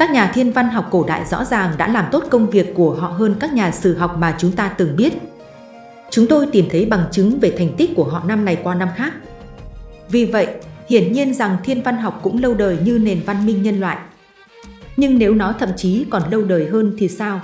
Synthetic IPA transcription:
kaː˦˥k̚ɲaː˨˩t̪ʰi˧ənva˧nɦa˨˩wk͡p̚ko˧˩ɗa̰ː˧˨jzɔ̰˧˥zaː˨˩ŋɗa̰ː˧˥laː˨˩mt̪o˦˥t̚kə˧wŋ͡mvi˨˩əkːu˧˩əɦɔ̰˧˨ɦəː˧nkaː˦˥k̚ɲaː˨˩sɨ˧˩ɦa˨˩wk͡p̚maː˨˩t͡ɕʊ˨˦ŋ͡mt̪aː˧t̪ɨ˨˩ŋɓi˦˥ət̚ | t͡ɕʊ˨˦ŋ͡mt̪o˧jt̪i˨˩mt̪ʰə˨˦jɓa˨˩ŋt͡ɕɨ˨˦ŋve˨˩t̪ʰjŋ̟t̪i˦˥k̟̚ku˧˩əɦɔ̰˧˨na˧mna˨˩jkwaː˧na˧mxaː˦˥k̚ | vi˨˩və̰˧˨jʔhḭ˧˩ənɲi˧ənza˨˩ŋt̪ʰi˧ənva˧nɦa˨˩wk͡p̚kʊ̰˧˥ŋ͡mlə˧wɗəː˨˩jɲɨ˧ne˨˩nva˧nmï˧ŋ̟ɲə˧nlwa̰ː˧˨jʔ | ɲɨ˧ŋne˨˦wnɔ˨˦t̪ʰə̰˧˨mt͡ɕi˨˦kɔ˨˩nlə˧wɗəː˨˩jɦəː˧nt̪ʰi˨˩saː˧w

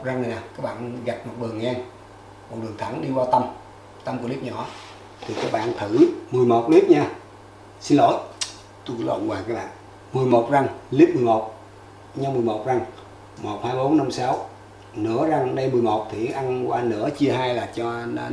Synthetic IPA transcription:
za˧ŋnɨ˨˩naː˨˩kaː˦˥k̚ɓa̰ː˧˨nɣa˨˩p̚mo˨˩t̚ɗɨ˨˩əŋʔa˧ŋ | mo˨˩ɗɨ˨˩əŋt̪ʰa˧˦nɗi˧waː˧t̪ə˧m | t̪a˧mku˧˩əli˦˥p̚ɲɔ̰˧˦ | t̪ʰi˨˩kaː˦˥k̚ɓa̰ː˧˨nt̪ʰɨ˧˩mɨ˨˩əjmo˨˩t̚li˦˥p̚ɲaː˧ | si˧nlo̰˧˦j | t̪u˧klo̰˧˨nwaː˨˩kaː˦˥k̚ɓa̰ː˧˨n | mɨ˨˩əjmo˨˩t̚za˧ŋli˦˥p̚mɨ˨˩əjmo˨˩t̚ | ɲa˧mɨ˨˩əjmo˨˩t̚za˧ŋ | mo˨˩t̚haː˧jm˧ɓo˨˦nːa˧msa˨˦w | nɨ̰˧˥əza˧ŋɗə˧jmɨ˨˩əjmo˨˩t̚t̪ʰi˨˩˨ʔa˧nkwaː˧nɨ̰˧˥ət͡ɕi˧əɦaː˧jlaː˨˩t͡ɕɔ˧

